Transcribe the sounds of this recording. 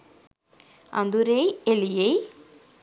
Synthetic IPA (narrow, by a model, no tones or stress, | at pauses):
ɐ̰nd̪uɾejelijej